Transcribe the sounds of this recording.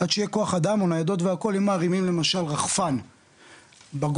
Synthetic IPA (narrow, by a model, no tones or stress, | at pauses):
ad̪ʃejeko̞aχad̪amonajad̪o̞t̪veako̞limaːʁimimle̞maʃalʁaχfan | baɡ